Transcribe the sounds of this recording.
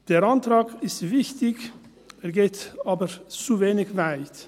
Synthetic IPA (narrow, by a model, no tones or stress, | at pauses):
d̥eːʁantʁaːkɪstv̥ɪçtɪç | eːɡeːtaːbət͡suveːnɪçvaɪt